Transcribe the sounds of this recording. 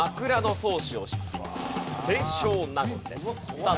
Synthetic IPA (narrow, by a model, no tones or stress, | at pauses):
akɯ̟ɾano̞so̞ːɕio̞ɕi̥kʲima̰ssẽɕoːnaɡɯ̃nd̪e̞̰ssa